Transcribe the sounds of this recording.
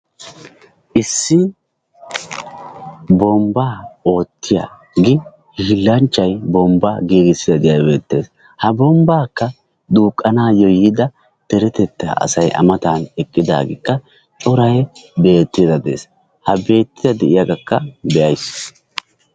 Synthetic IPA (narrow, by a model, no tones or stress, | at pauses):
ʔɪsːɪ | bɔmbaːo̞ːt̪ːɪja̰ | ɡɪ | hiːlːɐnt͡ʃːɐjbɔmbaːɡeːɡɪsːɪɐd̪ɛjɐjbe̞ːt̪ːe̞̰ːs | hɐbɔmbaːkːɐ | d̪uːkʼːɐnaːjɔjɪd̪ɐ | t̪ɛɾɛt̪ɛt̪ːa̰ːɐ̰sɐjʔɐ̰mɐt̪anɛkʼːɪd̪a̰ːɡɪkːɐ | t͡ʃʼɔɾɐjbe̞ːt̪ːɪd̪ɐd̪eːs | hɐbe̞ːt̪ːɪd̪ɐd̪ɛʔɪjaɡɐkːɐbɛʔɐjs